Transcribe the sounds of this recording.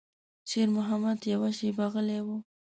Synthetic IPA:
ʃeɾmʊɦamad̪jawaʃebaɣəlewu

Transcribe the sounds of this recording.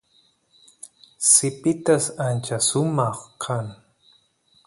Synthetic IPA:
sɪpɪt̪asant͡ʃasʊmɑχkʰaŋ

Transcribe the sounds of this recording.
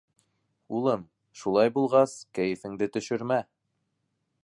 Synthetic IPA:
ulˠɤm | ʃulˠɑjbulˠʁɑskæjɘ̆fɘ̆ŋd̪ɘt̪ɵ̆ʃɵ̆ɾmæ

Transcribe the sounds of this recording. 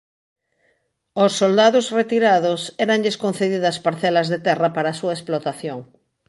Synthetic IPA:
osːold̪aðosret̪iɾaðosɛɾanʎeskõn̟θeðiðɐspaɾθɛlɐzðet̪ɛrɐpaɾaːsuɐesplot̪aθjoŋ

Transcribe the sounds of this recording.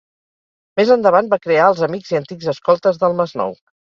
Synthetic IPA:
mezənd̪əβ̞anbakɾeaəlˠzəmiɡziənt̪iɡzəskɔlˠt̪əzðəlˠməznɔ̰w

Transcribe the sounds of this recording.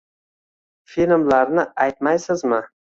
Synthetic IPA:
filʲmlaɾnɪajt̪majsɪzmɪ

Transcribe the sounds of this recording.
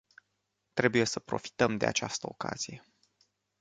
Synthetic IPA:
t̪ɾe̞buje̞səpɾo̞̰fi̥t̪əmd̪e̞a̰t͡ʃast̪əoka̰z̥ije̞

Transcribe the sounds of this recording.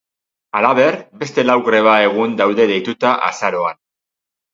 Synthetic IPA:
alaβe̞ɾbe̞st̪e̞lawɣre̞βae̞ɣ̞und̪awðe̞ðejt̪ut̪aʔa̰saɾo̞an

